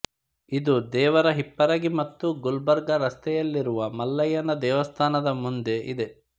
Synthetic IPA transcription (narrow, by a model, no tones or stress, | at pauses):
id̪ud̪ɛːʋɐɾɐɦipːɐɾɐɡimɐt̪ːuɡulbɐɾɡɐɾɐst̪ɛjɐlːiɾuʋɐmɐlːɐjɐnɐd̪ɛːʋɐst̪ʰaːnɐd̪ɐmund̪e̞ʔid̪e̞